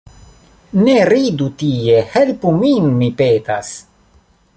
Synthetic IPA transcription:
neɾid̪ut̪iːehelpuminːipet̪as

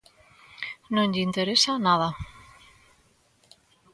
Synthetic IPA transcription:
nõŋʎint̪eɾesanað̞a

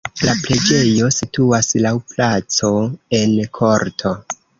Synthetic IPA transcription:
laple̞d͡ʒe̞jo̞situaslawplat͡so̞e̞nkʰo̞ɾtʰo̞

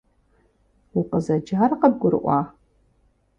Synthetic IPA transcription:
ʊqəzɐd͡ʒaːrqəb̚ɡʷʊɾɨ̰ʔʷɑː

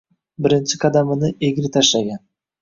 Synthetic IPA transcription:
bɪɾɪnt͡ʃɪkʰad̪amɪnɪʔeɡʲɪɾɪt̪ʰaʃlaɡʲan

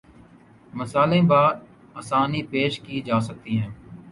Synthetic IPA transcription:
məsaːlẽbaː | aːsaːnipeːʃkiːd͡ʒaːsək̚t̪iɦɛ̃ː

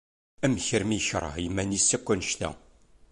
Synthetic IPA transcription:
æmçəɾmiçɾˤə̰hjəmːænisːækʷːænəʃt̪æ̰

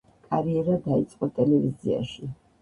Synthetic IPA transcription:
kʼaɾiɛɾad̪ait̪sʼqʼɔt̪ʼɛlɛvizia̰ʃi

